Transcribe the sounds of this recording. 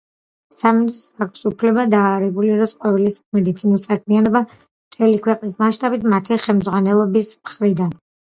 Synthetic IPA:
samid̪isakʰsupʰlɛbad̪aːɾɛɡuliɾɔsqʼɔvɛlismɛd̪it̪sʰinɔsakʰmianɔba | mt̪ʰɛlikʰwɛqʼnismaʃt̪ʼabit̪ʰmat̪ʰiχɛmd̪zʁwanɛlˠɔbismχɾid̪an

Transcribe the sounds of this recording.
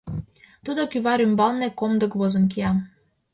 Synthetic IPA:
t̪ud̪okyβɑɾymbɑlnekomd̪ɤ̆kβozɤ̆nk̬iɑ

